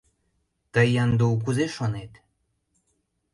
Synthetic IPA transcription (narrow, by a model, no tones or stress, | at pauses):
t̪əjɑnd̪uk̬uzeʃonet̪